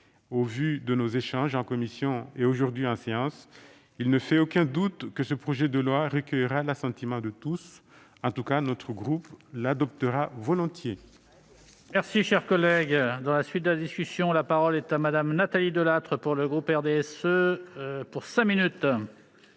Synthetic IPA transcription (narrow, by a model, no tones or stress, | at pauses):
ovyd̪ənozeʃɑ̃ʒɑ̃kɔmisjɔ̃eoʒuʁd̪ɥiɑ̃seɑ̃s | ilnəfɛokʲɛ̃d̪ut̪kəsəpχɔʒɛd̪əlwaʁəkʲœjʁalasɑ̃t̪imɑ̃d̪ət̪us | ɑ̃t̪ukanɔt̪χəɡʁuplad̪ɔp̚t̪əʁavɔlɔ̃t̪je | mɛʁsiʃɛʁkɔlɛɡd̪ɑ̃lasɥit̪̚d̪əlad̪iskʲysjɔ̃lapaʁɔlɛt̪amad̪amnat̪alid̪əlat̪χəpuʁləɡʁupɛʁd̪eɛsø | puʁsɛ̃minyt̪